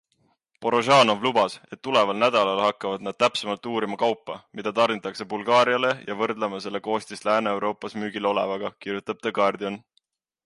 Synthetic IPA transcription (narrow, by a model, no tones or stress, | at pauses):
po̞ɾo̞ʒɑːno̞vlubɑse̞t̪ːule̞vɑlnæd̪̥ɑlɑlhɑkːˑɑvɑd̪̥nɑd̥̪̚t̪æpsemɑlt̪ːuːɾimɑkɑwpːɑmid̪̥ɑt̪ɑrnit̪ːˑɑkse̞bulɡ̥ɑːɾiɑle̞jɑvɤrd̪lɑmɑse̞le̞ko̞ːst̪islæːneewɾo̞ːpˑːɑsmyːɡ̥ilo̞le̞̰vɑɡ̥ɑkirjut̪ːˑɑb̥̚t̪ɑɡɑrd̪io̞n